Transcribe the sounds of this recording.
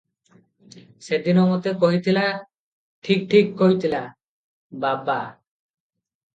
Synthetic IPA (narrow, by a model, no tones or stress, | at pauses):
sed̪inɔmɔt̪ekoɦit̪ʰila | ʈʰik̚ʈʰikːoɦit̪ʰila | baba